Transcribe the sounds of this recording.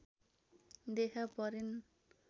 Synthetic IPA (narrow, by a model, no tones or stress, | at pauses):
d̪ekʰapʌɾin